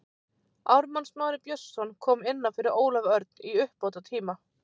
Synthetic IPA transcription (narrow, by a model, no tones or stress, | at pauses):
awɾmansmaːɾɪɾpjœsːɔnkʰɔːmɪnːafɪɾɪɾoːwlavœɾt̪̚niʏhpːoːwt̪at̪ʰiːma